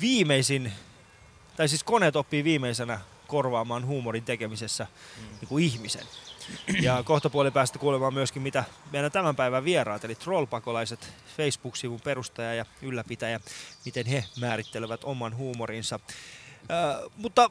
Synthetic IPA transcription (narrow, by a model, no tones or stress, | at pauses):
ʋiːmeisin | t̪ɑisiːskonet̪opːiːʋiːmeisenæ | korʋɑːmɑːnhuːmorint̪ekemisesːæniːŋkuiçmisḛn | jɑkoht̪ɑpuolepæːst̪æ̥kuːlemɑːmmyøskimit̪æmeilæt̪æmæmpæiʋæʋierɑːt̪elit̪rolpɑkolɑiset̪feisb̥uksiʋumperust̪ɑjɑjɑylːæpit̪æjæmit̪enhemæːɾit̪ːeleʋæt̪omɑnhuːmoɾinsɑ | mut̪ːɑ